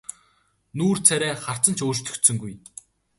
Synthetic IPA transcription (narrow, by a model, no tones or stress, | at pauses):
nuːrt͡sʰæɾʲæːχar̥t͡sə̆nt͡ɕʰoːt͡ɕt̪ʰɵ̥̆kt̪sɵ̆ŋɡuj